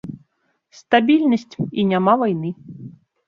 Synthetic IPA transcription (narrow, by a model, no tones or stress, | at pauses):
st̪abʲilʲnʲəsʲtʲinʲamavajnɨ